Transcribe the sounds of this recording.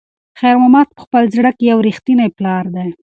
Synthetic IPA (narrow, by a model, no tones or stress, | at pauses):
xajɾmamɑt̪̚pə̥xpəlzɽakjawɾixt̪inajplɑɾd̪aj